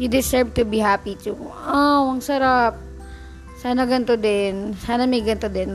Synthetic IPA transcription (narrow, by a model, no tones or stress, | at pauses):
jʊd̪ɪsɛɹvt̪ʊbihapit̪uʔawɐŋsɐɾap̚ | saːnɐɡɐnt̪od̪ɛnsaːnɐmɐjɡɐnt̪od̪ɛn